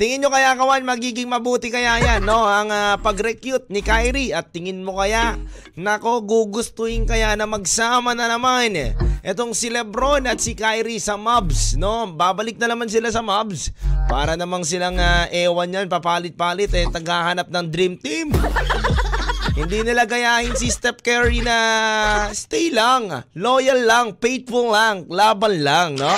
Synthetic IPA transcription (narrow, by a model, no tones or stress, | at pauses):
t̪ɪŋɪnɲokɐjakɐwanmɐɡiːɡɪŋmɐbuːt̪ɪkɐjajanːo̞ɐŋapɐɡɾɛkjut̪̚nɪkajɾiɐt̪ːɪŋɪnmo̞kɐjaʔ | nɐɐko̞ɡuɡʊst̪ʊhɪŋkɐjanɐmɐɡsaːmɐnɐnɐmanʔɛt̪o̞ŋsɪlɛbɾo̞nɐt̪̚sɪkajɾisɐmabsno̞baːbɐlɪk̚nɐnɐmans̬ɪlasɐmabspaːɾɐnɐmansɪlaŋaʔɛːwɐnjanpɐpaːlɪt̪̚paːlɪt̪ɛt̪ɐɡhahanɐp̚nɐŋd̪ɾimt̪im | hɪnd̪inɪlaɡɐjaːhɪnsist̪ɛp̚kɛɹinɐ | st̪ɛjlaŋlo̞ːjɐlːɐŋpejt̪̚bullaŋklaːbɐnlaŋno